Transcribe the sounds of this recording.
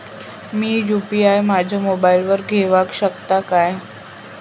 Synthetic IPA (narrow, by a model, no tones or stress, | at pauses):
miːjupiajmad͡ʑʱamobailʋəɾɡʱeʋakɕəkt̪akaj